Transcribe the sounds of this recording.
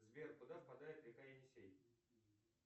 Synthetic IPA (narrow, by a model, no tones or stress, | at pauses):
zvʲerkʊd̪afpɐd̪ajɪt̪ɾʲɪkaɪnʲɪsʲej